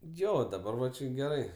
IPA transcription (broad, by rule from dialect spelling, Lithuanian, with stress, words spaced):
ˈjoː dɐˈbɐr ʋɐ ˈt͡ʃʲɪ ɡʲɛˈrɐɪ